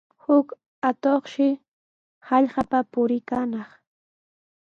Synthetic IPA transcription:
hʊk | at̪oχʃɪ | hɑʎɢapapʊɾɪkanɑχ

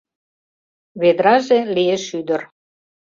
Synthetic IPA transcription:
βed̪ɾɑʒelieʃyd̪ər

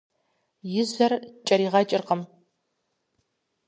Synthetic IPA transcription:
jɪzɐrt͡ʃʼɐɾiːʁɐt͡ʃʼɪrqəm

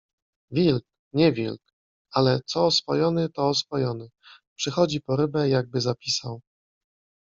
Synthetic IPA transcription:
vʲilk | ɲɛvʲḭlk | alɛt̪sɔːsfɔ̰jɔnɘt̪ɔːsfɔjɔnɘpʂɘxɔd͡ʑipɔɾɘbɛjaɡ̚bɘzapʲisaw

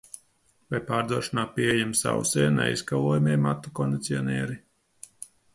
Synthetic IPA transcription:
vajpaːɾd̪uɔʃinaːpiejɛmsa̰wsɛːnɛ̰jskalˠuːjmeɛmat̪ːukɔnd̪ʲit̪siɔnʲɛːɾi

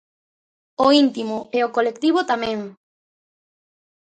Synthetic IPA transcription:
oint̪imʊɛokolek̚t̪iβʊt̪amɛ̃ŋ

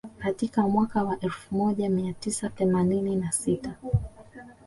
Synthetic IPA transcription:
katikamwakawaʔɛlfumɔʄamiatisaθɛmanininasita

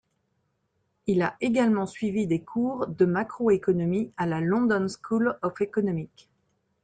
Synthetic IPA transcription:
ilaʔeɡalmɑ̃sɥivid̪ekʰuʁd̪əmakχoekɔnɔmialalɔ̃d̪ɔnskʰulɔfekɔnɔmik

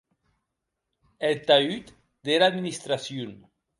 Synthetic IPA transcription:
elt̪ayt̪ | d̪̥elad̪minist̪ɾasjun

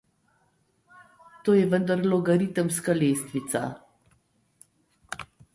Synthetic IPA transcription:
t̪oːjɛvənd̪aɾlɔɡɐɾit̪əmskaleːst̪ʋit̪sa̰

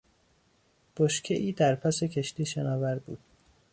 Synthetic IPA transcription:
b̥oʃcʰeʔiːd̪æɾpʰæse̞cʰe̞ʃt̪iːʃenɒːvæɾbṵːd̪̥̚

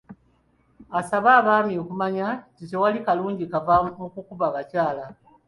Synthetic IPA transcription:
asaβaːβaːmiokumaɲatite̞walikaluːɲɟikavamukukuβaβacaːla

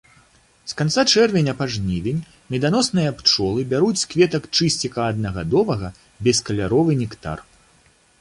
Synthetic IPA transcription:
skant̪sat͡ʂɛrvʲenʲɐpaʐnʲivʲenʲ | mʲɛd̪anɔsnɨjɐpt͡ʂɔlˠɨbʲaɾut͡sʲskvʲɛt̪ɐkt͡ʂɨsʲt͡sʲikɐːd̪nɐɣad̪ɔvɐɣɐ | bʲɛskɐlʲaɾɔvɨnʲɛkt̪a̰r

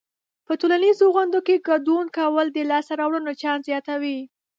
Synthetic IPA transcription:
pətolanizoɣand̪okeɡad̪unkawəld̪əlɑsaɾɑwɽənot͡ʃɑnzjɑt̪awi

